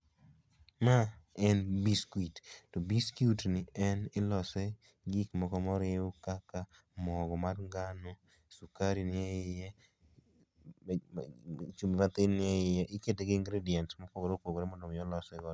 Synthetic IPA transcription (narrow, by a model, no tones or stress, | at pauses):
maɛnbiskwittobiskjutnɪɛnɪlɔsɛ | ɡikmɔkɔmɔɾɪokaka | mɔɡɔmadŋɡano | sukaɾinɪɛɪjɛ | t͡ʃumimat̪ɪnɪɛɪjɛʔɪketeɡɪːŋɡɾediɛntmɔpɔkɔɾopoɡoɾɛmɔndomjɔlɔsɛɡɔ